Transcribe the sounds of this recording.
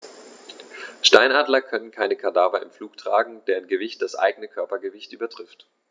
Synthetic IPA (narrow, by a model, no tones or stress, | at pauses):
ʃtaɪnaːdlɐkʰœnənkʰaɪnəkʰaɐdaːvɐɪmfluːktʁ̥aːɡŋ̩d̥eːʁənɡəvɪçt̚d̥asʔa̰ɪɡənəkʰœɐpɐɡəvɪçtʔyːbɐtʁ̥ɪft